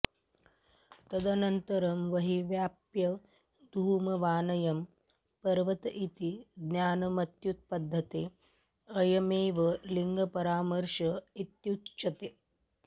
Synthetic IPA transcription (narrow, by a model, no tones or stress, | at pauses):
t̪ɐd̪ɐnɐnt̪ɐɾɐmʋɐɦiʋjaːpjɐ | d̪ʱuːmɐʋaːnɐjɐm | pɐɾʋɐt̪ɐʔit̪id̪njaːnɐmɐt̪jut̪̚pɐd̪ʱːɐt̪e | ɐjɐmeːʋɐliŋɡʱɐpɐɾaːmɐɾʃɐit̪jut̪t͡ʃɐt̪e